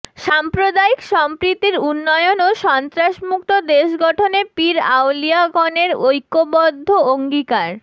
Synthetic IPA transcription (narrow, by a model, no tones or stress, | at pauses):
ʃampɾod̪aikʃɔmpɾit̪ːiɾunːɔeonoʃɔnt̪ɾaʃmuk̚t̪od̪eʃɡɔʈʰonepiɾa̰wliaɡɔneɾojkːobɔd̪ʱːooŋɡikaɾ